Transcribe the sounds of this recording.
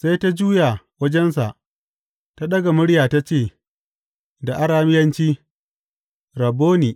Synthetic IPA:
sa˦jta˦d͡ʒuː˦ja˨ | wɐ˦d͡ʒɛ˦nsa˨ʔ | ta˦ɗɐ˦ɡa˨mʊ˦ɽjaː˨ta˦t͡ʃeː˦˨ | da˨ʔa˦ɽaː˦mɪ˦jɐ˦nt͡ʃiː˦ | ɾɐ˨bːoː˦niː˨

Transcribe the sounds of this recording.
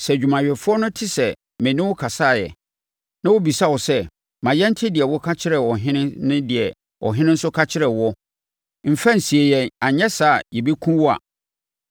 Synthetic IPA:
sɛ˨d͡ʑᶣu˨mã˨ɥᶣɛ˨fʊ˦ɔ˦nʊ̃˦tʰɪ˦sɛ˨ | mæ̃˨nɪ̃˦wʊ˦kʰa˨sa˦˨jɛ̰˨ | nã˦wo˦bi˨sa˦wɔ˨sɛ˦ | mã˨jɛ˦n̩˦tʰɪ˦dɪ˨ɛ˨wɔ˦kʰa˦t͡ɕʰɪ˦ɾɛ˨wɔ˨ɦɪ̃˦nɪ̃˦nɪ̃˦dɪ˨ɛ˨ | ʔɔ̰˨ɦɪ̃˦nɪ̃˦n̩˦sʊ˦kʰa˦t͡ɕʰɪ˦ɾɛ˨wɔ˦ | m̩˨fɛ˦n̩˨si˨e˨jɛ˨a˨ɲɛ˦saː˦˨jɛ˨be˦kʰũ˦wɔ˦a̰˨

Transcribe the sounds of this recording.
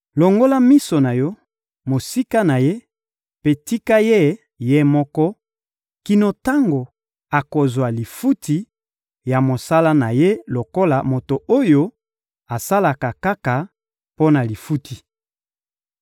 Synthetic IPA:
lo˨ŋɡo˦la˦mi˦so˨na˨jɔ˦ | mo˨si˦ka˦na˨je˦ | pe˦ti˦ka˦je˦˨ | je˦mɔ˦kɔ˦ | ki˨no˨ta˦ŋɡo˨ | a˨ko˨zwa˨li˨fu˦ti˨ | ja˨mo˨sa˦la˦na˨je˦lo˨ko˦la˨mo˨to˨o˦jo˦ | a˨sa˦la˨ka˨ka˦ka˨ | po˦na˨li˨fu˦tʰi˨

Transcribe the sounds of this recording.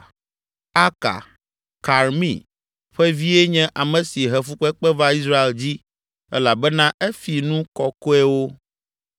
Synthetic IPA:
a˦ka̰˨ | ka˨ɾmḭ̃˦˨ | ɸɛ˦vi˦e˦ɲɛ̃˦ʔa˨mɛ̃˨si˨ɦɛ˨fu˦k͡pɛ˦k͡pɛ˦va˦i˦sɾa˦e˨ld͡ʑi˦ | ɛ̰˦la˨bɛ˦nã˦ɛ˦fi˨nũ˦kɔ˨ko˦ɛ˦wo˦

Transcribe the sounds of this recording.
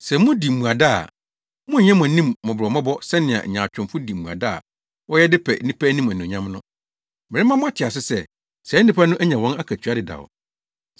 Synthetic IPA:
sɛ˨mʊ̃˦di˨mũ˨a˨da̰˦˨ | mʊ̃˦˨ɲɛ̃˦m̃˨nĩ˦mːʊ̃˨bmã˦bɔ˦sɛ˦nɪ̃˨a̰˨ɲã˨t͡ɕᶣʊ̃˨mfʊ˦di˨m̩˨mũ˨a̰˨da˦a̰˨ | wɔ˦jɛ˦dɪ˦pʰɛ̰˨nĩ˦pʰæ˦nĩ˦mæ̃˨nĩ˨ɲã˦mnʊ̃˦ | mɪ̃˨ɾɪ˦mã˦mʊ̃˦a˨tʰɪ˨a˨s̬ɪ˦sɛ˦ | sɛ˨˦nːĩ˦pʰæ˦nʊ̃˦ʔæ˦ɲã˨wɔ̃˦na˦kʰæ˨t͡ɕʰᶣɥa˦dɪ˨da̰˨ɔ̰˨

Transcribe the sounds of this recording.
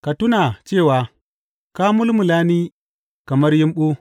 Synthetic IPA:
ka˨tu˦na˨t͡ʃeː˦˨wa˨ | ka˦mu˦lmu˨la˦ni˦ | ka˨mɐ˦ɾji˦mɓo˦

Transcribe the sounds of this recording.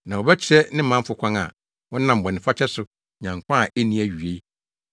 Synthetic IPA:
nã˨wɔ˨bɛ˦t͡ɕʰɪ˦ɛ˦nɪ̃˦mã˦fʊ˨kʷʰã˦ŋa̰˨ | wɔ̃˦nã˨m̩˨bɔ̃˨nɪ̃˨fa˦t͡ɕʰɛ˦sʊ˨ | ɲã˨ŋ˨kʷʰã˦a˨e˦nĩ˦æ˨ɥɥe˦

